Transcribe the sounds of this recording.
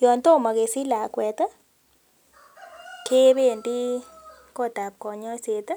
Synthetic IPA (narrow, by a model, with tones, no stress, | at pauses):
jɔ˨nt̪o˦˨ma˨ɣe˨si˦la˨kwɛ˨t̪ə˦ | ke˦be˦˨ndi˦ | ko˦t̪a˨p̚kɔ˨ɲɔ˦se˨t̪